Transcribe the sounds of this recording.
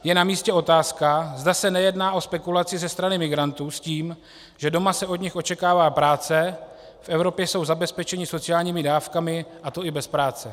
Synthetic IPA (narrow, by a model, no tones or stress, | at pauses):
jɛnamiːscɛʔo̞t̪aːskazdasɛnɛjɛdnaːʔo̞spɛkulat͡sɪzɛst̪ɾanɪmɪɡɾant̪uːsciːm | ʒ̥ɛdo̞masɛo̞dɲɪxʔo̞t͡ʃɛkaːvaːpɾaːt͡sɛ | fʔɛvɾo̞pjɛso̞wzabɛspɛt͡ʃɛɲɪso̞t͡sɪjaːlɲiːmɪdaːfkamɪʔat̪o̞ɪbɛspɾaːt͡sɛ